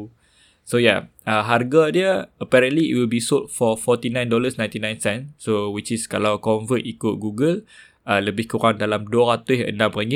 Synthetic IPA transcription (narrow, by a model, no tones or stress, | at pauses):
soja̰ | ə̃ɦarɡadjəəpɛɾə̃nliḭʔ̚wilbisot̚fɔfɔt̪inãjndɔləsnãj̃nt̪inãj̃nsɛ̃nsowit͡ʃiskalawkɔ̃nvətikʊt̚ɡuɡəl | ələbɪhkuɾaŋdalamduəɾat̪ʊsə̰ndãmɾaŋɡi